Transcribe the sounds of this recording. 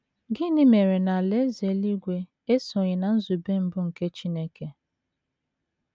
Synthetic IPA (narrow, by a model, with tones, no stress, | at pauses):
ɡɪ˦nɪ˦me˨ɾe˨na˨le˦ze˨˦li˦ɡʷe˦ | e˦sʊ˨ɲɪ˨na˨n̩˦zu˨be˦m̩˦bʊ˦ŋ̩˨ke˦t͡ʃi˦ne˦ke˨